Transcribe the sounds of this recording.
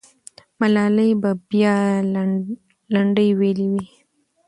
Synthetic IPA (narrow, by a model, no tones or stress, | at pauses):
malɑləjbabjɑ | laɳɖəjweliwi